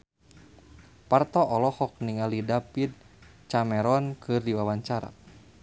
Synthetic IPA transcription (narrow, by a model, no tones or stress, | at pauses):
part̪ɔʔɔlɔhɔk̚niŋalidapid̪̚t͡ʃamɛɾɔnkʰɨrdiwawaɲt͡ʃaɾa̰